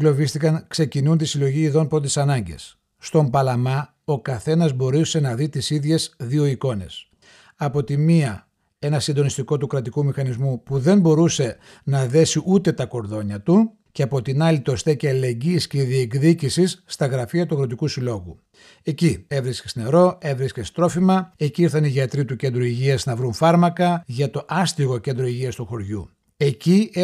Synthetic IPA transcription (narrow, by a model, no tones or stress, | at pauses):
lo̞vist̪ikɐŋkse̞cinunt̪isilo̞ʝiːðo̞npɾo̞t̪t̪i̥sɐnɐɲɟe̞̰sː | t̪o̞mbɐlɐmɐ | o̞kɐθe̞nɐzbo̞ɾuse̞nɐðit̪isiðʝe̞zðio̞iko̞ne̞̰s | ɐpo̞t̪imiɐ | e̞nɐsind̪o̞nist̪iko̞t̪ukɾɐt̪ikumixɐnizmupuðe̞mbo̞ɾuse̞ | nɐðe̞siʔut̪e̞t̪ɐko̞ɾðo̞ɲɐt̪u | ce̞ɐpo̞t̪inɐlit̪o̞st̪eceɐlile̞ɲɟiːsceiðiekðicisisːt̪ɐɣɾɐfiɐt̪uɣɾo̞t̪̬ikusilo̞ɣṵ | e̞cie̞vɾiscest̪ineɾo̞e̞vɾiscest̪ɾo̞fimɐeciiɾθɐniʝɐt̪ɾit̪uce̞nd̪ɾuiʝiɐznɐvɾunfɐɾmɐkɐʝɐt̪o̞ʔɐst̪iɣo̞ce̞nd̪ɾo̞iʝiɐst̪uxo̞ɾʝṵ | e̞ci